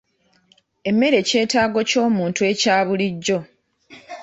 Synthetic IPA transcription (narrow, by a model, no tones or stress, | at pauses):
e̞mːe̞ɾe̞ce̞ːtaːɡo̞co̞ːmuːntue̞caːβuliɟːo̞